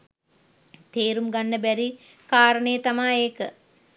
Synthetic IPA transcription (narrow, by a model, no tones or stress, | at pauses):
t̪eːɾumɡanːəbæɾi | kaːɾəɳejːt̪amaːeːkə